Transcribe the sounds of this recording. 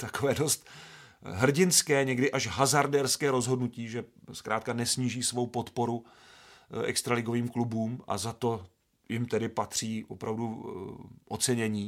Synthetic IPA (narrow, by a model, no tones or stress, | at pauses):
t̪ako̞vɛːdo̞st̪ | ɦr̩ɟɪnskɛːɲɛɡdɪʔaʃɦazaɾdɛɾskɛːɾo̞zɦo̞dnuciːʒɛskɾaːt̪̚kanɛsɲiːʒiːsvo̞wpo̞t̪po̞ɾu | ʔɛ̰kst̪ɾalɪɡo̞viːmklubuːmʔa̰zat̪o̞ | jɪmt̪ɛdɪpat̪r̝̥iːo̰pɾavdu | ʔot͡sɛɲɛɲiː